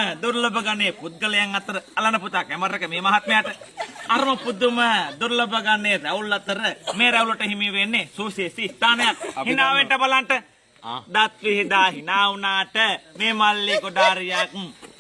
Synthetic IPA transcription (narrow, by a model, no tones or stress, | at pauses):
d̪uɾlobɐɡaneːput̪̚ɡɐlɐjaŋɐt̪ːəɾəɐlanɐput̪akɛməɾekəmeːmaɦat̪mɐjaːʈəaɾɐmɐpud̪ːuməd̪uɾlobɐɡanːeːɾɛulːɐt̪əɾəmeːɾɛulɐʈəɦimiʋenːesuːsesist̪aːnɐjak̚hinaːʋeɳʈɐbalaɳʈə | d̪at̪ʋiɦid̪aːɦinaːunaːʈəmeːmalːiːkuɖ̪aːɾijaːkuŋ